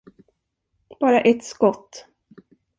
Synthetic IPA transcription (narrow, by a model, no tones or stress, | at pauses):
b̥ɑːɾaʔɛt̪skɔt̪ː